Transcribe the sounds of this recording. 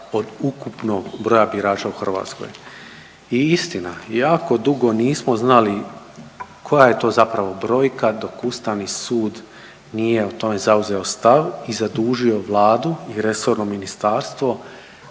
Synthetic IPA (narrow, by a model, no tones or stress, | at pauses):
o̞d̪ukupnoɡbɾo̞jabiɾaːt͡ʃauxr̩ʋa̰ːt̪sko̞̰j | iist̪inajaːko̞d̪uɡo̞niːsmo̞znali | kʰo̞jaje̞t̪o̞ːzapɾaʋo̞bɾo̞ːjkad̪o̞kust̪aʋnisuːd̪ | niːje̞ot̪o̞me̞zauze̞o̞st̪aʋizad̪uːʒio̞ʋlˠaːd̪uiɾe̞so̞ɾnominist̪aːɾst̪ʋo̞